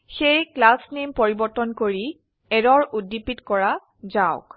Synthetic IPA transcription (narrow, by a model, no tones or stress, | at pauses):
xejklasnimpoɹibɔɹtɔnkoɹi | ɛɹɔɹudipitkɔɹa | zaʊ̰k